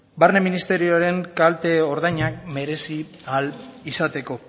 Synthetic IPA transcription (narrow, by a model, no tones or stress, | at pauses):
barne̞minist̪e̞ɾioaɾe̞ŋkalt̪e̞oɾðajɲak̚me̞ɾe̞si | alisat̪e̞ko̞